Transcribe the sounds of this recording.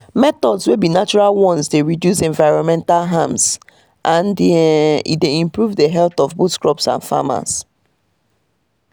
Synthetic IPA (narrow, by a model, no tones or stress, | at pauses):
mɛt̪ɔdswebinat͡ʃuɹalwɔ̃nsdeɹidjusɛ̃ɱvaɪɹɔ̃nmɛ̃ntalɦãms | ʔãndḭdeĩmpɹuvdəɦɛltɔvbutskɹɔpsã̰nfa̰ma̰s